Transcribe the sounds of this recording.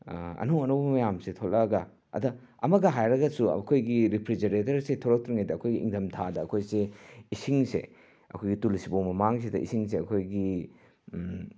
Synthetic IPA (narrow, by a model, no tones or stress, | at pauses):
ɐ̰nowɐnowbɐmɐjamsetʰolːɐɡɐ | ɐ̰dɐ | ɐ̰mɐɡɐɦajɾɐɡɐsṵkʰojɡiɾipʰɾid͡ʒɐɾetɐɾsetʰoɾɐk̚tʰɾiŋajdɐɐkʰojɡiʔiŋdʰɐmtʰadɐːkʰojseisiŋsḛ | ɐ̰kʰojɡitulsibowmɐmaŋs̬edɐ̰ʔḭsiŋs̬eɐkʰojɡi